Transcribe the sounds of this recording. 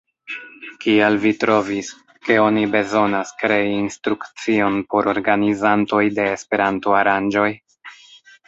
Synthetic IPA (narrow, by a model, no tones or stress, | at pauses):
kialvitɾo̞vis | ke̞o̞nibe̞zo̞naskɾe̞iːnstɾukt͡sio̞npo̞ɾʔo̞ɾɡanizanto̞jde̞ːspe̞ɾantoaɾand͡ʒo̞j